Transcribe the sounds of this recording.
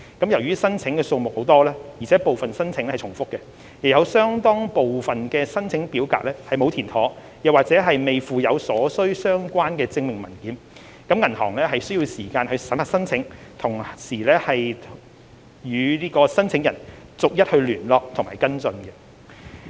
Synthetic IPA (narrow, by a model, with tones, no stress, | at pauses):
kɐ˨˥mjɐ˨˩wjyː˥sɐ˥nt͡sʰɪ˨˥ŋkɛː˧so˧wmʊ˨k̚ho˨˥wt̪ɔː˥lɛː˥ji˨˩t͡sʰɛː˨˥po˨wfɐ˨nsɐ˥nt͡sʰɪ˨˧˥ŋɛ˥hjt͡sʰʊ˨˩ŋfʊ˥kːɛ˧ | j̚jɐ˨˧wsœː˥ŋt̪ɔː˥ŋpo˨wfɐ˨nkɛː˧sɐ˥nt͡sʰɪ˨˥ŋpiː˨˥wka̰ː˧˥k̚lɛː˥hɐ˨jmo˨˧wt̪ʰiː˨˩nt̪ʰɔː˨˥ | jɐ˨waː˨k̚t͡sɛː˨˥ɦɐ˨jme˨jfuː˨jɐ˨˧wsɔː˨˥sɵ˥ɥsœː˥ŋkʷaː˥nkɛː˧t͡sɪ˧ŋmɪ˨ŋmɐ˨˩nkiː˨˥n | kɐ˨˥mŋɐ˨˩nhɔː˨˩ŋlɛː˥ɦɐ˨jsɵ˥ji˧wsiː˨˩kaː˧nhɵ˧ɥsɐ˨˥ma˨tsɐ˥nt͡sʰɪ˨˥ŋt̪ʰʊ˨˩ŋsiː˨˩lɛː˥hɐ˨jʰ | jyː˨˧liː˥kɔː˧sɐ˥nt͡sʰɪ˨˥ŋjɐ˨˩n | t͡sʊ˨k̚jɐ˥t̚hɵ˧ɥlyː˨˩nlɔː˨k̚t̪ʰŋmaː˨˩jkɐ˥nt͡sɵ˧nɡɛ˧